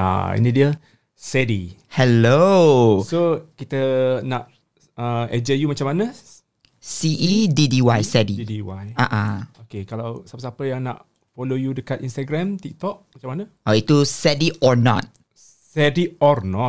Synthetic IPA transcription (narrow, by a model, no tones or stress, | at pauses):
a̰ḭnidiə | sɛdḭhɛlosokit̪ənaʔ | əɛd͡ʒəjumat͡ʃamana | siʔididiwajsɛdidiwajaʔãokekalawsapəsapəjaŋna̰ʔ | folojudəkat̪ĩnst̪aɡɾɛ̃mt̪ik̚t̪ɔk̚mat͡ʃamana | ɔit̪usɛdiʔɔnɔ̰t̚ | sɛdiɔrnɔ